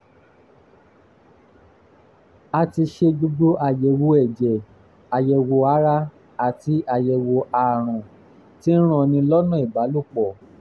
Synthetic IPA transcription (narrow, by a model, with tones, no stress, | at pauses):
a˧ti˧ʃe˧d͡ʒo˧ɡ͡bo˦ʔa˨jɛ˨wo˧ɛ˨d͡ʒɛ˨ | a˨jɛ˧˨wo˧a˨˦ɾa˦ | a˨ti˨˧˦ʔa˧˨jɛ˧wo˧a˨ɾ̃ɔ̃˨ | ti˦n̩˦ɾ̃ɔ̃˦˧˨nĩ˧lɔ˦nɔ̃˦˨i˨ba˨˦lu˦˨k͡pɔ˨